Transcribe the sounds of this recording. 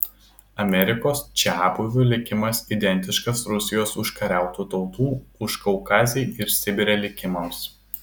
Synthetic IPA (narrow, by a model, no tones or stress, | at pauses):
ɐmʲɛɾʲɪkoːst͡ʃʲæːbʊʋʲʊlʲɪkʲɪmɐsid̪ʲɛnʲt̪ʲɪʃkɐsɾʊsʲɪjoːsʊʃkɐɾʲæˑʊt̪uːt̪ɒʊt̪uːʊʃkɐʊkɑːzʲɛɪɪɾsʲɪbʲɪɾʲɛlʲɪkʲɪmɐms